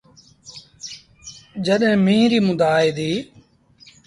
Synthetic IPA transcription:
d͡ʒəɗɦẽːmĩːɾiːmʊd̪aːiːd̪iː

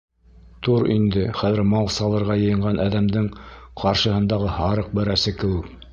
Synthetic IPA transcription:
t̪uɾind̪ɘχæðɘɾmɑlˠsɑlˠɤ̆ɾʁɑjɤ̆jɤ̆ɴʁɑnʔæðæmd̪ɘŋqʰɑɾʃɤ̆hɤ̆nd̪ɑʁɤhɑɾɤq̚bɘ̆ɾæsɘkɘ̆wɘk

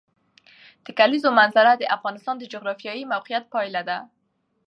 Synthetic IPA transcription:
d̪̥ekalizomanzaɾad̪eʔafɣɑnɪst̪ɑnd̪ed͡ʒoɣɾɑfjɑjimawqijat̪̚pɑjlad̪a

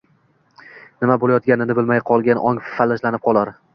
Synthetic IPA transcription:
nɪmabolajɒt̪̚ɡʲanɪnɪbɪlmajqʰɒlˠɡʲanʔɒŋffalːɪʃlanɪp̚qʰɒlˠaɾ

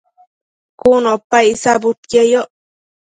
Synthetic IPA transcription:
kunopajsabʊt̪jajoʔ

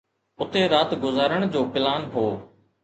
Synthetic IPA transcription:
ʊt̪eːɾaːt̪ɡʊzaːɾəɳ̃d͡ʑoːpɪlaːnɦoː

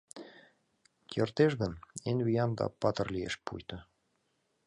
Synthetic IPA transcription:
kʰʲert̪eʃɡə̆nenʲβijɑnd̪ɑ̰pɑt̪ɤ̆rliḛʃpṵjt̪ɤ̆

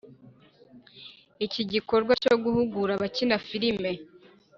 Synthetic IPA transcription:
iciɟiko̞ɾɡwacoɡuhuɡuɾaβacinafiɾime̞

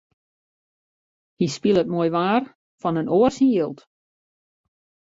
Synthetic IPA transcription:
hispilˠət̚moəjʋaːr | fɔnənoərsiilˠt

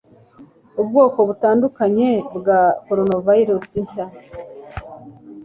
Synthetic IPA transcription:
ubɡo̞ːko̞βutaːndukaɲe̞bɡakoɾonovaiɾusiɲʃa

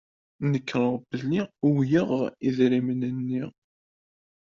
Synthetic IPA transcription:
nəkːɾəʁbəlːiuwjəʁiðɾimənənːiʁ

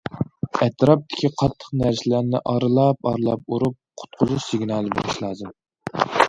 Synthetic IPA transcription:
ɛt̪ʰɾɑp̚t̪ʰɪ̥kʲiqʰɑt̪ʰːə̥qnæɾsɪlæɾnɪʔɑɾɨlˠɑp̚ɑɾɨlˠɑ̰p̚uɾup̚qʰʊ̥t̪̚qʰʊzuʃsɪɡʲnɑːlˠɨbo̰lˠɨʃlˠɑːzɨm

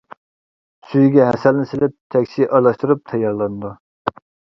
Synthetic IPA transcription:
syjɡʲɛɦɛsɛlnɪsɪlɪp̚t̪ʰɛkʲsiʔɑɾlˠɑʃt̪uɾup̚t̪ʰɑjːɑɾlˠɑnɨd̪u

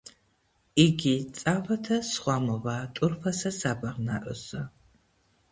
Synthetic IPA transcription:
iɡʲiːt͡sʼaːvɐtʰɐsχʷɑːmɨvaːtʼʊrfɐsɐsaːbɐʁna̰ːʔʷə̰sɐ

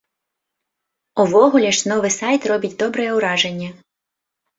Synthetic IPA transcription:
ʊʋɔɦʊlʲɐʃnɔʋɪsɑjt̪rɔbʲɪtʲd̪ɔbɾɛjɛʊɾɑʒenʲːɐ

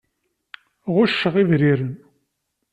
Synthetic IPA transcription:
ʁʊʃːəʁivɾiɾən

